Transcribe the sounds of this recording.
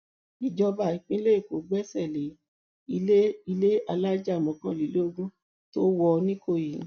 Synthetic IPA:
i˨d͡ʒɔ˧ba˨i˨k͡pĩ˦le˦i˦˨ko˨˦ɡ͡bɛ˦sɛ˦˨le˨˦ | i˧le˦i˧le˦a˧la˦d͡ʒa˦˨mɔ̃˨˧kã˧˦li˨˦lo˦o˦ɡũ˦ | to˦wɔ˧nĩ˦ko˦˨ji˨ñ˨

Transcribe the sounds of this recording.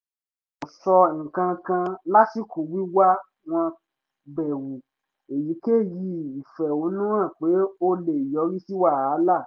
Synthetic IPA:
o˨sɔ˧˨ŋ̩˨kã˧kã˧la˦ti˦ku˨wi˦wa˦ | w̃ɔ̃˧ | bɛ˨wu˨ | e˨ji˨˦ke˦˨ji˧i˨fɛ˨o˨˦nũ˦ã˦˨k͡pe˨˦o˦le˨i˨jɔ˨˦ɾi˦si˦wa˦˨a˨˦la˦˨

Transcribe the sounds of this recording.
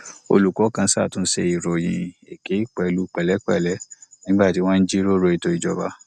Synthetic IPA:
o̰˧lu˨kɔ˨˦kã˧˦sa˦˨tũ˨˧˦ʃɛ˧i˨ɾɔ˨jḭ̃˨e˨ke˨˦k͡pɛ˨˧lu˦k͡pɛ˨lɛ˨˦k͡pɛ˦˨lɛ˨˦nĩ˨˦ɡ͡ba˦˨ti˨˦w̃ɔ̃˦n̩˦d͡ʒi˦ɾo˦ɾo˧i˧to˧i˨d͡ʒɔ˧ba˧˦

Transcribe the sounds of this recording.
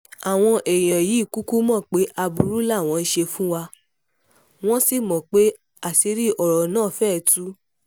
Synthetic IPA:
a˨w̃ɔ̃˧ʔe˨j̃ã˨ji˨˦˨ku˦ku˦mɔ̃˦˨k͡pe˨˦ʔa˧bu˧˦ɾu˦la˦˨w̃ɔ̃˨˧n̩˦ʃe˧fũ˦wa˧ | w̃ɔ̃˦si˦˨mɔ̃˨k͡pe˦ | a˦˨si˧˦ɾi˦ʔɔ˨ɾɔ˨nãː˦˨fɛː˦˨tu˦

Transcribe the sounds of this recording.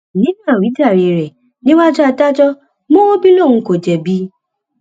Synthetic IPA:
nĩ˦n˦a˨wi˨˦ta˨ɾi˨ɾe˨ | nɪ˦ŋʷa˦d͡ʒɔ˦a˨ta˦t͡ʃɔ˦ | mo˦o˦bi˦lo˦˨ŋ̩˨ko˨d͡ʒe˨bi˦

